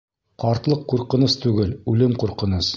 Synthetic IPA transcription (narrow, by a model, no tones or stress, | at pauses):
qɑɾt̪lˠɤqːuɾqɤ̆nɤst̪ʉɡɘlʉlɘmquɾqɤ̆nɤs